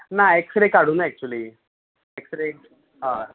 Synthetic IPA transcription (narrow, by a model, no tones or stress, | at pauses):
naeksɾekaɽ̤uːnɛk̚t͡ɕuəliː | eksəɾe | ɦa